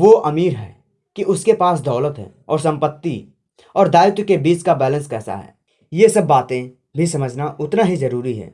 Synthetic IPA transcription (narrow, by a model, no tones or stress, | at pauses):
ʋoʔɐmiːɾɦɛ̰ː | kiʔʊskepaːs̬d̪ɔːlət̪ɦɛ̰ːɔːɾsɐ̃mpət̪ːḭ | ɔːɾd̪aːɪt̪wkebiːt͡ʃkabɛːlə̃nskɛːsa̰ɦɛ̰ː | jesɐbːaːt̪ẽ | bʱisɐməd͡ʒʱnaʔʊt̪naɦizɐɾuːɾiɦɛ̰̃ː